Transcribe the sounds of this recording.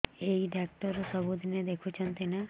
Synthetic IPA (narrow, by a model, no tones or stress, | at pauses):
eiɖak̚ʈɔɾsɔbʱud̪ʱined̪ekʰut͡ʃʰɔnt̪ina